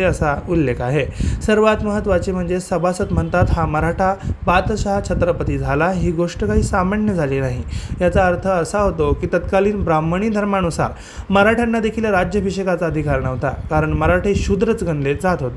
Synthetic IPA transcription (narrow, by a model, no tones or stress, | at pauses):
eəsaulːekaɦesəɾʋat̪məɦət̪ʋat͡ɕiːm̤əɳd͡zesəbʱasət̪m̤əɳt̪at̪ɦãməɾaʈʰabat̪əɕaɦat͡ɕʰət̪ɾəpət̪iːd͡zʱalaɦiːɡoʂʈəkaɦiːsaməɳjəd͡zʱaliːnaɦijat͡saəɾt̪ʰəːsaɦot̪okiːt̪ət̪kaliːnbɾaməɳ̃iːd̪ʱəɾmanusa̰ɾ | məɾaʈʰjanːad̪ekʰiːlaɾad͡ʑjəbʱiɕəkat͡saəd̪ʱikaɾɳəɦot̪a̰kaɾəɳməɾaʈʰeɕud̪ɾət͡sɡʱəɳled͡zat̪ɦot̪o